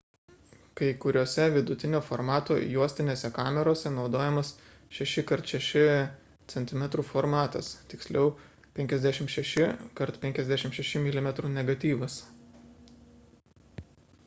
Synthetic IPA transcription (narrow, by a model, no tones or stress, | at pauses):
kɐɪkʊɾʲoːsʲɛʋʲɪd̪ʊt̪ʲɪnʲoːfɔɾmɑːt̪oːjuɔsʲt̪ʲɪnʲeːsʲɛkɑːmʲɛɾoːsʲɛnɒʊd̪oːjɛmɐs | ʃʲɛʃʲɪkɐɾt̪ʃʲɛʃʲɪ | t̪sʲɛnt̪ʲɪmʲɛt̪ɾuːfoɾmɑːt̪ɐ̰st̪ʲɪksʲlʲʔɛʊ | pʲɛŋʲkʲɛzʲd̪ʲæʃʲɪmʃʲɛʃʲɪkɐɾt̪pʲɛŋʲkʲɛzʲd̪ʲæːʃʲɪmʃʲɛʃʲɪmʲɪlʲɪmʲɛt̪ɾuːnʲɛɡɐt̪ʲiːʋɐs